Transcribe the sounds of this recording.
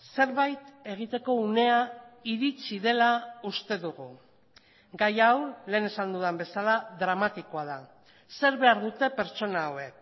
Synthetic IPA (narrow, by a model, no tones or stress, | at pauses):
se̞ɾβajt̪e̞ɣ̞it̪e̞ko̞une̞aiɾit͡siðe̞laust̪e̞ðuɣu | ɡajawle̞ːne̞sand̪uðembe̞salaðɾamat̪iko̞að̞a | se̞ɾβe̞aɾðut̪e̞pe̞ɾt͡ʃo̞naːwe̞k